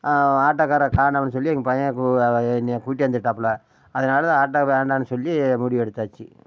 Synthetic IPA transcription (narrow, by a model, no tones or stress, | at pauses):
aːʈːakːaːɾɐkaːɳɐʋɐnːɯsɔlːiɛŋɡɐpɐjɐ̃knːkuːʈːɪʋɐnd̪ɐʈːaːpːla | ɐðɐnaːlɐðãaːʈːapaːɳɖaːnːɯsɔlːimʊɽɪʋɛɽɯt̪ːaːt͡ʃːḭ